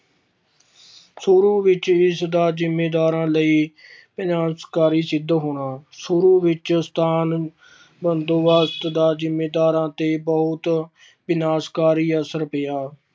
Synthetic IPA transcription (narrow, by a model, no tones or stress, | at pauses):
suɾuːʋɪt͡ʃɪsd̪aːd͡ʒɪmːeːd̪aːɾãːləiː | bɪnaːskaːɾiːsɪd̪ːɦoːɳaːsʊɾuːʋɪt͡ʃst̪ʰaːn | bənd̪oːʋaːst̪d̪aːzɪmːeːd̪aːɾãːt̪eːbəɦʊt̪ | ʋɪnaːskaːɾiːəsəɾpɪjaː